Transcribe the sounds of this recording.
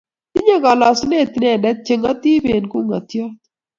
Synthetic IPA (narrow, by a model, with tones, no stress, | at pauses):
ti˦ɲɛ˦ka˨la˨su˦ne˦˨t̪i˨nɛ˨nɛ˦t̚t͡ʃe˨ŋɡa˦t̪i˦be˨nku˦ŋa˨t̪jɔ˦t